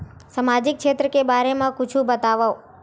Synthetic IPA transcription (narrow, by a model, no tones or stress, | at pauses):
samad͡ʒik̚ʃet̪ɾəkebaɾemãkʊt͡ʃʰũbət̪aʋaw